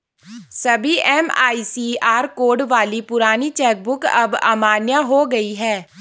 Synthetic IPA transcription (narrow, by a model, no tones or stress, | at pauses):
sɐbʱiʔɛːma̰ːiːsiaːɾkoːɖʋaːlipʊɾaːnit͡ʃɛːk̚bʊkɐ̰ba̰ːmaːnjaɦoɡɐiɦɛː